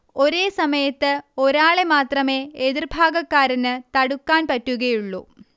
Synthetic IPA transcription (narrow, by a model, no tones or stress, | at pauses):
o̞ɾe̞ːsɐmɐjɐt̪ːɨo̞ɾaːɭemaːt̪rɐme̞ːeðirbʱaːɡɐkːaːɾɐnɨt̪ɐɽukːaːnpɐtːuɣɐjuɭːṵː